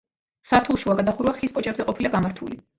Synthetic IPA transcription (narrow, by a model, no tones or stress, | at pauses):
saɾt̪ʰulˠʃuaɡad̪aχuɾvaχispʼɔt͡ʃʼɛbzɛqʼɔpʰilaɡamaɾt̪ʰuli